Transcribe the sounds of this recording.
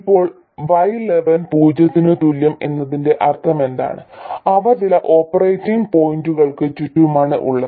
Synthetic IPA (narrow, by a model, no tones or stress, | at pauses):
ipːo̞ːɭ | ʋɐjle̞ʋɐnpuːd͡ʑɐt̪ːinɨt̪uljɐme̞̰nːɐðinde̞ʔɐrt̪ʰɐme̞nd̪a̰ːɳɨ̰ɐʋɐrðilɐʔo̞ːpːɐrejtːiŋɡpo̞jinduɣɐɭkɨt͡ɕutːuumaːɳɨ̰ʔṵɭːɐðɨ